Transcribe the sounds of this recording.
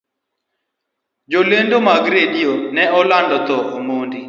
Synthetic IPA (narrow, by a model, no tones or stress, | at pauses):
d͡ʒolendomaɡɾedijonɛɔlandɔt̪ɔʔomondi